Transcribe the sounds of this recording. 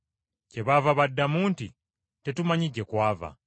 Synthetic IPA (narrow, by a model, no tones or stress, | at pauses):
ce̞βavaβadːamuːnti | te̞tumaɲiɟːe̞kwaːva̰